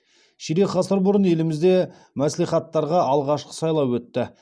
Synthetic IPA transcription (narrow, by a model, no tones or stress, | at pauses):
ʃiɾeχɑsəɾbʊɾənje̞lɪmɪzd̪e̞ | mæsleχɑt̪ːɑɾʁɑʔɑlˠʁɑʃqə̥sɑjlˠɑwwɵt̪ːɪ